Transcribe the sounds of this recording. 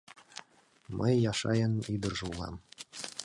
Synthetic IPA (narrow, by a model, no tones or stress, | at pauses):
mʔəjːɑʃɑjɤnid̪ə̆rʐɤulˠɑ̰m